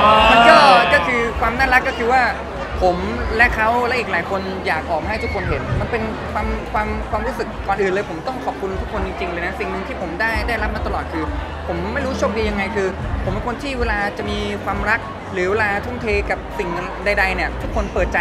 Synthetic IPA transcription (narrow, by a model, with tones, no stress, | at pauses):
ma˧kɔː˥˩˥kɔː˥˩kʰɯː˧kʰwaː˧mnaː˥˩ɾa˦˥kːɔ˥˩kʰɯː˧waː˥˩ | pʰo˩˦mlɛ˦˥ʔkʰa˦˥wlɛ˦˥ʔiː˨˩klaː˩˦jkʰo˧n | jaː˨˩k̚ʔɔː˨˩mha˥˩t̪u˦˥kʰo˧nɦe˩˦nma˧npe˧n | kʰwaː˧mkʰwaː˧mkwaː˧mɾuː˦˥sɯ˨˩k̚ːɔː˨˩nʔɯː˨˩nlɤː˧jpʰo˩˦mt̪ɔ˥˩ŋkʰɔ˨˩p̚kʰu˧nt̪ʰu˦˥kʰːo˧nt͡ɕi˧ŋt͡ɕi˧ŋlɤː˧na˦˥si˨˩ŋnɯ˧ŋt̪ʰiː˥˩pʰo˩˦mdaː˥˩jdaː˥˩jɾa˦˥p̚ma˧t̪a˧lɔː˨˩t̪̚kʰɯː˧ | pʰo˩˦mːa˥˩jɾuː˦˥t͡ɕʰoː˥˩k̚diː˧ja˧ŋːa˧jkʰɯː˧pʰo˨˩˦mpe˧nkʰo˧nt̪ʰiː˥˩weː˧laː˧t͡ɕa˨˩ʔmiː˧kʰwaː˧mɾa˦˥k̚ | ɾɯː˩˦weː˧laː˧t̪ʰu˥˩mt̪ʰeː˧ka˨˩p̚si˨˩ŋ | da˧jda˧jni˥˩ɐt̪ʰu˦˥kʰːo˧npɤː˨˩t̪̚t͡ɕa˧